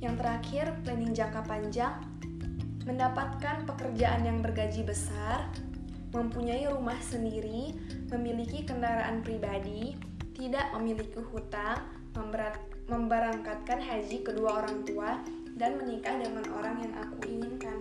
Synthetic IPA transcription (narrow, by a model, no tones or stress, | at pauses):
jaŋt̪əɾakɪrpələniŋd͡ʒakapaɲd͡ʒaŋ | məndapat̪̚kanpəkərd͡ʒaʔanjaŋbərɡad͡ʒibəsar | məmpuɲaiɾumahsəndiɾi | məmilikikəndaɾaʔanpɾibadi | t̪idaʔməmilikihut̪aŋ | məmbəɾaŋkat̪̚kanɦad͡ʒikəduaoɾaŋt̪ua | danmənikadəŋanʔoɾaŋjaŋʔa̰kuiɲiŋkan